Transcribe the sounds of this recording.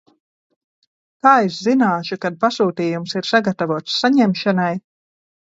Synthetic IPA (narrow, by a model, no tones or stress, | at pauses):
k̪aːizzinaːʃukad̪̚pasuːt̪iːjumsiɾsaɡat̪avuɔt̪sːaɲɛmʃanaj